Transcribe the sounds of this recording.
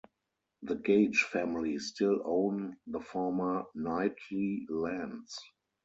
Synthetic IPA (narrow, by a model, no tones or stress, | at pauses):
ðəɡeɪd͡ʒfæmɪlistɪlõʊ̃nðəfɔːmə˞naɪtʰlilæ̃nds